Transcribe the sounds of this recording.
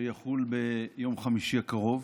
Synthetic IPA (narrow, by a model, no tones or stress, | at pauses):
jaχulbejo̞mχamiʃiakaʁo̞v